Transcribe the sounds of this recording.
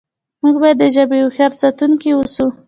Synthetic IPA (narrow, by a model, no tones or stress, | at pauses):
muɡbɑjad̪ːəʒabejoxaɾt͡sat̪uŋkiwusu